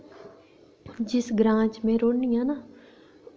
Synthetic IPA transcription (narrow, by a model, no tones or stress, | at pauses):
d͡ʒɪsɡɾãːt͡ʃmẽɾoːnijãːna